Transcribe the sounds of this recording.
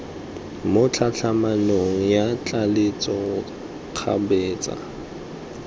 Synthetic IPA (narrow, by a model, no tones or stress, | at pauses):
mʊt͡ɬʰat͡ɬʰamanoŋ̩jat͡ɬʼalɪt͡sʼɔ | q͡χʰa̰beːt͡sʼa̰